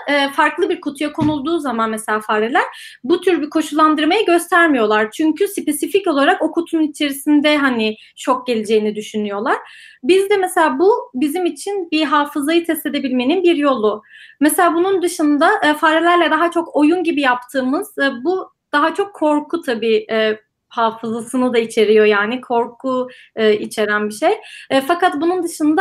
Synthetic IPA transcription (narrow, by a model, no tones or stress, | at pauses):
ɯːfaɾklˠɯbiɾkʰot̪ʰujakʰo̞nulˠd̪uːzamanmese̞lʲaːfaɾelʲæɾ̥ | but̪ʰyɾbikʰo̞ʃulˠːand̪ɯɾmajɯɟø̞st̪ʰæɾmijo̞lˠaɾt͡ʃʰyɲcʰyspe̞sifico̞lˠaɾako̞kʰut̪ʰunnit͡ʃʰe̞ɾisind̪ɛɦanɪ | t͡ʃʰo̞k̚ɟe̞lʲid͡ʒe̞jinid̪yʃynyjo̞lˠaɾ̥bizd̪ɛmese̞lʲaːbubizimit͡ʃʰinbiɦaːfɯzajɯt̪ʰɛst̪ed̪e̞bilʲme̞ninbiɾjo̞lˠumese̞lʲaːbunund̪ɯʃɯnd̪aʔfaɾelʲæɾlʲɛd̪aɦat͡ʃʰo̞ko̞junɟibijap̚t̪ʰɯːmɯz̥bu | d̪̥aɦat͡ʃʰo̞kʰːo̞ɾkʰut̪ʰabiːɛː | haːfɯzasɯnɯd̪ait͡ʃʰe̞ɾijo̞jaːnikʰo̞ɾkʰu | ɯːit͡ʃʰe̞ɾænbiʃejɛːfakat̪bunund̪ɯʃɯnd̪a